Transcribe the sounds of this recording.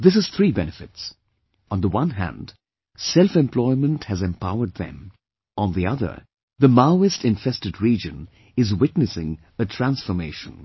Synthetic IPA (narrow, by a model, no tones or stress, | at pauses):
ðɪs̬ɨz̥θʰɹibɛnɨfɨts | n̩ðəwʌ̃nɦæ̰̃nd | sɛlˠfɛ̃mpʰl̥ɔɪmə̃nthɨzɛ̃mpʰaʊə˞d̪̚ðɨ̰̃m | ʔə̃nðiʌðə̰˞ | ðəmaʊɨstɨ̃ɱfɛstɨdɹid͡ʒɨ̃n | ɪzwɪtnɨsɪ̰̃ŋ | ɨtʰɹ̥æ̃nsfə˞meɪʃə̃n